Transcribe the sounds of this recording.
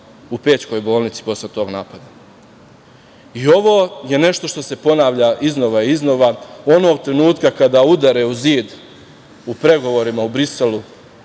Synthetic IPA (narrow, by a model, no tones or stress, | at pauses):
upe̞ːt͡ɕko̞jbo̞ːlˠnit̪si̥po̞slet̪o̞ːɡnaːpad̪a | io̞ʋoːje̞ne̞ʃt̪o̞ʃt̪o̞se̞po̞naːʋʎaʔizno̞ʋaizno̞ʋao̞no̞ːɡ̚t̪ɾe̞nuːt̪kakad̪aud̪aɾe̞uziːd̪ | upɾe̞ɡo̞ʋo̞ɾimaubɾise̞lu